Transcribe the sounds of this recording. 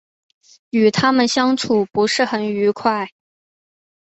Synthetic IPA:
y˨˩t̪ʰa˥mə˨nɕjɑ˥ŋʈ͡ʂʰu˨˩pu˧˥ʂɻ̩˥˩xə˧˩ny˧˥kʰwa˥˩ɪ

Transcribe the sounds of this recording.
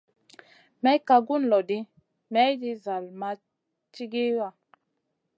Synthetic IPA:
mɛ˨˦ka˨ɡu˦n˨lɔ˨di˦ | mɛ˦jdi˦za˨lma˨ | t͡ʃi˦ɡe˦wa˨

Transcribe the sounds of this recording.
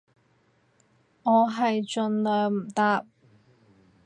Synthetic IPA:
ŋɔː˨˧ɦɐ˨jt͡ʃɵ˨nlœː˨m̩˨˩t̪aː˧p̚

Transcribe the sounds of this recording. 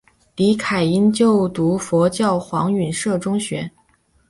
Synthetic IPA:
li˧˥kʰa˨˩ɪi˥nt͡ɕjo˥˩ʊt̪u˧˥fwɔ˧˥t͡ɕjɑ˥˩ʊxwɑ˧˥ŋy˨˩nʂɤ˥˩ʈ͡ʂʊ˥ŋɕɥɛ˧˥

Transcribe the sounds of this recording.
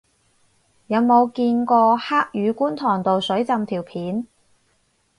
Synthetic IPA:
jɐ˨˧wmo˨˧wkiː˧nkɔː˧haː˥k̚jyː˨˧kuː˥nt̪ʰɔː˨˩ŋt̪o˨wsɵ˨˥ɥt͡sɐ˧mt̪ʰiː˨˩wpʰiː˨˥n

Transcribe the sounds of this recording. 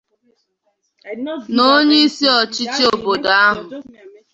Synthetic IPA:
no˦ɲe˦i˦si˦ɔ˨t͡ʃi˦t͡ʃi˦o˨bbo˨da˨a˦ɦʊ˨

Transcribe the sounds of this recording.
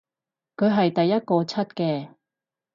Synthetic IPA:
kʰɵ˨˧ɥɦɐ˨jt̪ɐ˨jːɐ˥t̚kɔː˧t͡sʰɐ˥t̚kɛː˧

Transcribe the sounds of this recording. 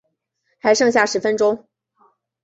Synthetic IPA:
xa˧˥ɪʂɤ˥˧ŋɕja˥˩ʂɻ̩˧˥fə˦nʈ͡ʂʊ˥ŋ

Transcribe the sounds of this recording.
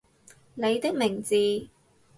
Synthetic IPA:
ne˨˧jt̪ɪ˥k̚mɪ˨˩ŋt͡siː˨˧

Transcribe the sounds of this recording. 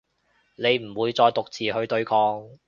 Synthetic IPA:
ne˨˧jm̩˨˩wuː˨˧jt͡sɔː˧jt̪ʊ˨k̚t͡siː˨˩hɵ˧ɥt̪ɵ˧ɥkʰɔː˧ŋ

